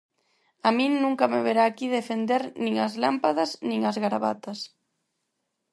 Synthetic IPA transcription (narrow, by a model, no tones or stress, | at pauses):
amĩŋnũŋkɐmeβeɾaːkiðefend̪eɾnĩŋazlampaðɐznĩŋazɣaɾaβa̰t̪ɐs